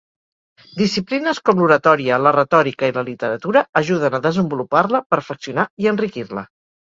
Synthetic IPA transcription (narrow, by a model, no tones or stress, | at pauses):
d̪isiplinəskɔmluɾət̪ɔɾiələrət̪ɔɾikəiləlit̪əɾət̪uɾəːʒuðənəðəzəmbuluparləpəɾfəksiunaiənrikirlə